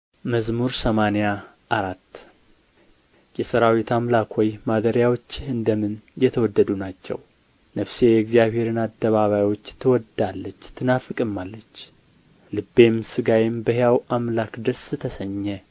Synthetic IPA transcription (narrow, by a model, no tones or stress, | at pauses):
məzmuɾsəmaneja | ʔaɾat̪ː | jɛsɨɾawit̪ʰamlakʰojmad̪əɾjawot͡ʃːɪɨnd̪əmɨnjɛt̪ʰəwɔd̪ːəd̪unat͡ʃːɛ̰w | nəfsejɛɡzijaβhe̞ɾɨnad̪ːəβaβajwo̞t͡ʃːt̪ʰəwɔd̪alːət͡ʃːt̪ʰɨnafɨkʼɨmːalːət͡ʃː | lɨbːe̞msɨɡajembəhjawʔamlakd̪əɾsɨt̪ʰəsəɲːɛ